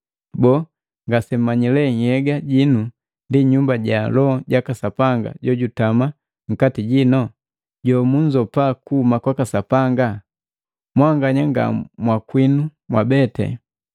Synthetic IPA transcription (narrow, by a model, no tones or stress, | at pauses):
bɔː | ŋɡasɛmmaɲilɛŋhɛɡaɟinu | ndiɲumbaɟalɔɟakasapaŋɡa̰ɟɔɟutama | ŋ̩katiɟinɔ | ɟɔmuɲd͡ʒɔpakuːmakwakasapaŋɡa | mwaŋɡaɲaŋɡa̰mwakwinumwabɛtɛ̰